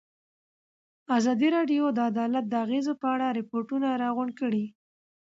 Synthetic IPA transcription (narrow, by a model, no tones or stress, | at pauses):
azɑd̪iɾɑɖijod̪əad̪ɑlat̪̚d̪əaɣezopəaɽaɾɪpoɾʈunaɾɑɣʊɳɖkəɽi